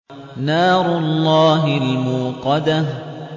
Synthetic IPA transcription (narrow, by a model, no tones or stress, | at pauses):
naːɾʊlˤːɑːɦɪlmuːqɑd̪a